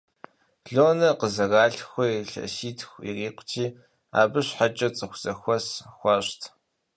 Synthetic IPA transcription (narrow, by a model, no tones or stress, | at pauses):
ɮoːnɐqəzɐɣaːɬxʷɔiɬɐ̰siːtʰxʷḭriːqʷtʰiː | a̰ːbɨɕħat͡ʃʼɐt͡sʼɨxʷz̥ɐxʷɔsxʷɐɕtʰ